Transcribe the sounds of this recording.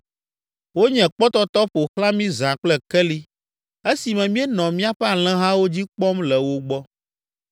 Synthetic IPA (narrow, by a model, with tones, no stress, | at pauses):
wo˦ɲɛ̃˨k͡pɔ˦t̪ɔ˦t̪ɔ˦ɸo˨xlã˦mĩ˦zã˨k͡plɛ˦kɛ˦li˦ | e˦si˨mɛ̃˨mĩ˦ɛ˦nɔ̃˨mĩ˦a˦˨ɸɛ˦a˨l̃ɛ̃˦ɦã˦wo˦d͡ʑi˦k͡pɔ˦mlɛ˨wo˦ɡ͡bɔ˦